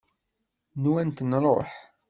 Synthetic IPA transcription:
nwænt̪nɾˤo̰ħ

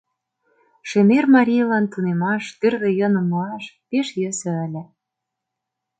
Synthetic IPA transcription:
ʃemermɑɾʲijlɑnt̪unemɑʃt̪yrðĕjɤ̆nɤ̆moɑʃpeʃjə̆sɤ̆æ̆lʲɘ̆

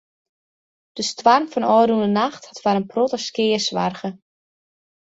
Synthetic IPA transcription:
d̥əstwarmfɔnɔːɾundənaxthatfaɾənprotəskɪːəsʋa̰rɣə

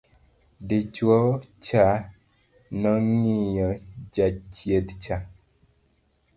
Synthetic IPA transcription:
dit͡ʃwɔt͡ʃa | nɔŋijɔd͡ʒat͡ʃjet̪t͡ʃa

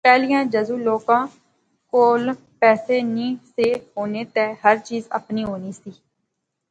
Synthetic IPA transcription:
pɛːlijãːd͡ʒəzuːloːkãː | koːl | pɛːseːnĩːseːɦoːneːt̪ɛːɦəɾt͡ʃiːzə̰pniːɦoːniːsiː

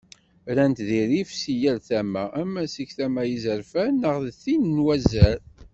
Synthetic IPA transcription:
ɾænt̪ðiɾifsijælθæmæʔæmːæsiçθæmæjizəɾfænəʁðθinnwæzæɾ

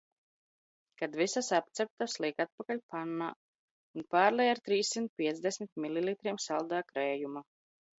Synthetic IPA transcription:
kad̪visasap̚t̪sɛp̚t̪aslˠiɛkat̪̚pakalʲpanːaː | unpaːɾlˠɛjaɾt̪ɾiːsːint̪̚pʲiɛt̪zd̪ɛsmit̪̚mililˠit̪ɾiɛmsalˠd̪aːkɾɛːjuma

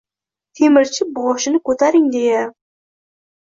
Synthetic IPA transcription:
t̪ʰemɪɾt͡ʃʰɪbɔʃɪnɪkʲʰɵt̪aɾɪŋd̪ejɛ

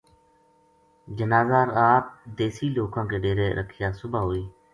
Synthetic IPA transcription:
d͡ʒənaːzaːɾaːp̚d̪eːsiːloːkãːkeːɖeːɾeːɾʔə̰kʰɪjaːsʊbaːɦoːiː

